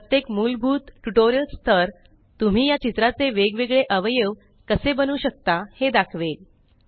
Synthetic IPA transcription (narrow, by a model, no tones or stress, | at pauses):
pɾət̪jekmulbʱuːt̪ʈuʈoɾijəlst̪ʰəɾ | t̪um̤iːjat͡ɕit̪ɾat͡seʋeɡʋeɡɭeʔəʋjəʋ | kəsebənuːɕək̚t̪ahed̪akʰʋel